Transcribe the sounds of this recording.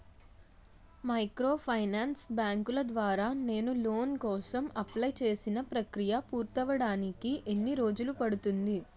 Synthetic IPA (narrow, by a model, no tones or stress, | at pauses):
mɐjkɾo̞ːpʰɐjnaːnsbaːŋkulɐd̪ʋaːɾaːne̞ːnulo̞ːnkɔːsɐmɐplɐjt͡ʃe̞ːsinɐpɾɐkɾijɐpuːɾt̪ɐʋɐɽaːnikiʔenːiɾo̞ːd͡ʒulupɐɽut̪und̪i